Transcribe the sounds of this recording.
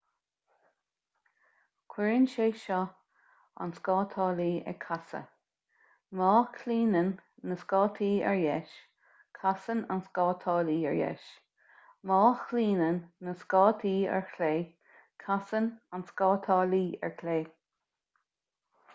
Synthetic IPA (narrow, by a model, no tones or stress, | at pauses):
kʰwɛɹənʃeːʃɔ | a̰nskɑːt̪ʰɑːliːɛ̰kʰasə̰ | mɑːkʰliːnənːəskɑːt̪ʰiːɛ̰ɹjɛʃ | kʰasənanskɑːt̪ʰɑːliːɛ̰ɹjɛ̰ʃ | mɑːxliːnənːəskɑːt̪ʰiːɛ̰ɹkʰleː | kʰasənanskɑːt̪ʰɑːliːɛ̰ɹkʰleː